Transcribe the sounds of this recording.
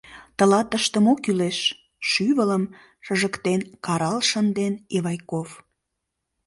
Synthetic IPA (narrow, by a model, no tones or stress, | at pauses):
t̪əlɑt̪əʃt̪əmokyleʃ | ʃyβələm | ʃəʒəkt̪enkɑɾɑlʃənd̪eneβɑjkof